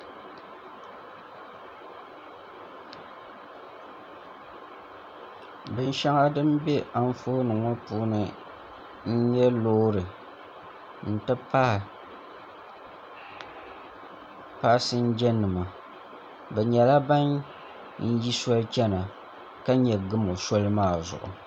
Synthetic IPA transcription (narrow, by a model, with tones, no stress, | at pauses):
bɨ˦n˦ʃa˦ŋa˦dɨ˦mbɛ˦ʔa˦ɱ˦foː˦nɨ˨ŋo˦puː˦nɨ˦ | n̩˦ɲɛ˦loː˦ɾɨ˨ | n̩˨tɨ˦pa˦˨ | pa˦sɨ˦n̩˦d͡ʒɛ˦nːɨ˨ma˨ | bɛ˨ɲɛ˨la˦ba˦n | n̩˦ji˦sɔ˦lɨ˦t͡ʃɛ˦na˨ | ka˦ɲɛ˨ɡɨ˦mo˨sɔ˦lɨ˦maː˦˨zʊ̰˨ʔʊ̰˨